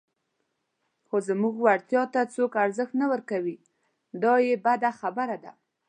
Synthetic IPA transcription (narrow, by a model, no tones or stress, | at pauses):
xozəmuɡwaɽt̪jɑt̪at͡sokaɾzəxt̪nawəɾkawi | d̪ɑjebad̪axabaɾad̪a